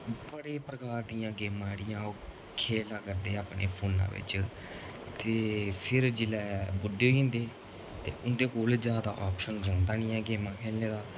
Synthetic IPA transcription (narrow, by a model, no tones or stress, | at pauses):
bəɽeːpɾəkaːɾd̪ijãːɡeːmãːɽɪjãːo | kʰeːlaːkəɾd̪eːaːpnḛːpʰoːnã̰ːʋɪ̰t͡ʃ | t̪eːpʰɪɾd͡ʒɪlɛːbʊɖeːĩːnd̪eː | t̪ḛːʊnd̪eːkoːld͡ʒjaːd̪a̰ːʔɔːpʃənɾɔ̃ːnd̪aːnɪjãːɡeːmãːkʰeːllẽːd̪aː